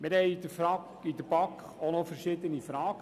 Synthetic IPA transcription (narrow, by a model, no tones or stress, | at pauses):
mɪɾɦɛɪid̥əfɾɑk | id̪əbɑkχonɔfəɾʃɪːd̪ənifɾɑːɡ̥ə